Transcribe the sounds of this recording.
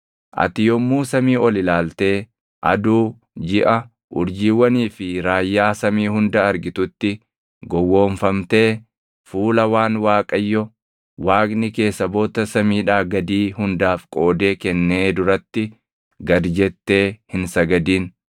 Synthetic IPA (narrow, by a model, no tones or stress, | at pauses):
ʔɐ̰t̪ɪjɔmːuːsɐmiːɔlɪlaːlt̪e̞ː | ʔɐ̰d̪uː | d͡ʒɪʔɐ | ʔʊɾd͡ʒiːwːɐniːfɪɾaːjːaːsɐmiːɦʊnd̪ɐːɾɡɪt̪ʊt̪ːɪ | ɡɔwːoːɱfɐmt̪e̞ː | fuːlɐwaːnwaːkʼɐjːɔ | waːɡnɪke̞ːsːɐbo̞ːt̪ɐsɐmiːᶑaːɡɐd̪iːhʊnd̪aːfkʼo̞ːd̪e̞ːkɛnːeːd̪ʊɾɐt̪ːɪ | ɡɐd̪d͡ʒɛt̪ːe̞ːhɪnsɐɡɐd̪iːn